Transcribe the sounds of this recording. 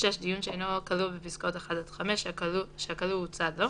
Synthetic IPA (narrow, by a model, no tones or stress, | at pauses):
ʃeʃd̪ijunʃeejnokalubepiskaot̪eχad̪ad̪χameʃluʃeakaluut͡sad̪lo